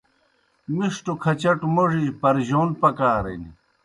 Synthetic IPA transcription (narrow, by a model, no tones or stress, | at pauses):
miʂʈokʰɐt͡ɕɐʈmoʐid͡ʑpɐɾʑoːnpɐkaːɾḛni